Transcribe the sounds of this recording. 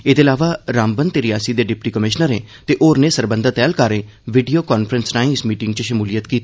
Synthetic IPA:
eːd̪eːlaːʋaːɾaːmbənt̪eɾɪjaːsiːd̪eːɖɪpʈiːkəmɪʃnəɾeːt̪eːʔoːɾneːsəɾbə̃nd̪at̪ɛːlkaːɾeː | ʋɪɖijoːkɔːnpʰɾənsnaːĩːɪsmiːʈɪŋɡt͡ʃəʃəmuːlijət̪kiːt̪ː

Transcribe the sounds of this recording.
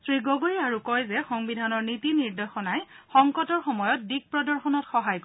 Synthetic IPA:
sɹiɡoɡoiaɹukɔjzɛxɔŋbidʱanɔɹnitiniɹdexɔnajxɔŋkɔtɔɹxɔmɔjɔt̚dik̚pɹɔdɔɹxɔnɔtxɔɦajk

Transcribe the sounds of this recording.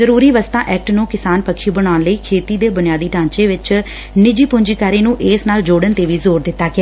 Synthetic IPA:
zəɾuːɾiːʋəst̪ã̰ːʔɛːk̚ʈnũːkɪsaːnpəkʰʃiːbəɽ̃aːnləiːkʰeːt̪iːd̪eːbʊnɪjaːd̪iːʈãːɲt͡ʃeːʋɪt͡ʃ | nɪd͡ʒiːpʊɲd͡ʒiːkaːɾeːnũːʔeːsnaːld͡ʒoːɽənt̪eːʋiːzoːɾd̪ɪt̪ːaːkɪ

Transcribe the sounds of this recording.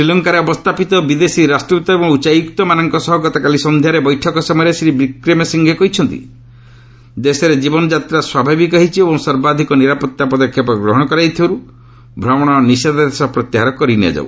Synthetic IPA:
ɾilɔŋkaɾeɔbɔst̪ʰapit̪ɔbid̪esiɾasʈɾt̪ɔebɔŋut͡ʃajukt̪ɔmanɔŋkɔsɔɦɔɡɔt̪ɔkalisɔnd̪ʱjaɾebɔjʈʰɔkɔsɔmɔjɔɾesɾibɾikɾemesiŋɡʱekɔɦit͡ʃʰɔnt̪ḭ | d̪esɔɾed͡ʒibɔnɔd͡ʒat̪ɾaswabʱabikɔɦit͡ʃʰiebɔŋsɔɾbad̪ʱikɔniɾapɔt̪ːapɔd̪ɔkʰːjɔpɔɡɾɔɦɔɽ̃ɔkɔɾajt̪ʰibaɾu | bʱɾɔmɔɽ̃ɔnised̪ad̪esɔpɾɔt̪iɦaɾɔkɔɾina̰d͡ʒa̰ṵ

